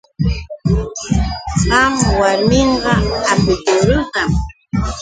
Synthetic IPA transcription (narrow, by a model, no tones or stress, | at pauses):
ɢɑmwaɾmeɴɢɑapɪtʊɾʊt̪am